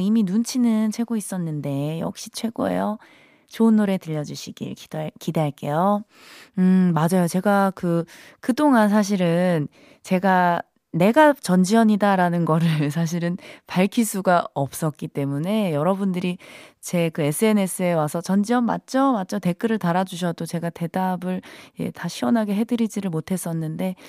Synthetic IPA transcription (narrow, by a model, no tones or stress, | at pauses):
iminunt͡ɕʰinɯnt͡ɕʰwe̞ɡois͈ʌnːɯnde̞jʌ̰k̚ɕ͈i̥t͡ɕʰwe̞ɡoe̞̰jʌ | t͡ɕoɯnːoɾe̞tɯʎːʌd͡ʑuɕʰiɡḭɭki̥dkide̞ɦaɭk͈e̞jo | ɯmad͡ʑajot͡ɕe̞ɡakɯkɯt͈oŋans̬ʰaɕ̬ʰiɾɯn | t͡ɕe̞ɡa | ne̞ɡat͡ɕʌnd͡ʑiʌɲidaɾanɯnɡʌɾɯɭs̬ʰaɕ̬ʰiɾɯnpaɭkʰis͈ʰuɡaʌp̚s͈ʌk̚k͈it͈e̞mune̞jʌɾʌbundɯɾit͡ɕe̞kɯe̞s͈ʰɯe̞ne̞s͈ʰɯe̞wasʰʌt͡ɕʌnd͡ʑiʌnma̰t̚t͡ɕ͈ʌmat̚t͡ɕ͈ʰʌte̞k͈ɯɾɯɭtaɾad͡ʑuɕ̬ʰʌdot͡ɕe̞ɡate̞dabɯɭjḛtʰaɕʰiwʌnɦaɡe̞ɦe̞dɯɾid͡ʑiɾɯɭmotʰe̞s͈ʌnːɯnde̞